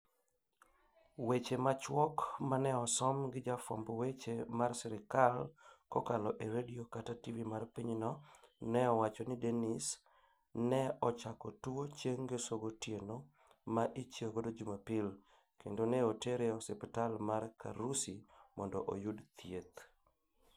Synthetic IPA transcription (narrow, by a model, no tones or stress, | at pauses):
wet͡ʃemat͡ʃwɔkmanɛɔsɔmɡɪd͡ʒafɔ̰mbwet͡ʃemarsɛɾɪkalkɔkalɔʔeɾediokatativimarpiɲnɔnɛɔwat͡ʃɔnɪdenis | nɛɔt͡ʃakɔtuot͡ʃjeŋɡesoɡotjeno | maʔit͡ʃekodod͡ʒumapil | kendoneoteɾeɔsɛpitalmarkʰa̰ɾusimɔndɔʔojudt̪ʰjet̪